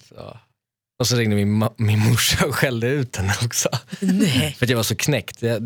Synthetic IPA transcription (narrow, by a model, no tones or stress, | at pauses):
ɔ̰ | ɔsɔɾɪŋd̪əmɪmɪnmʊʂːaɔɧɛld̪əʉ̟ːt̪ɛnɔksɔ | fəɾat̪jaɡvaʂɔkʰnɛkt̪a